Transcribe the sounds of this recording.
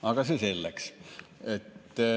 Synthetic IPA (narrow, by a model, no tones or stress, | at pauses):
ɑˑekɑseselːækset̪ːˑæ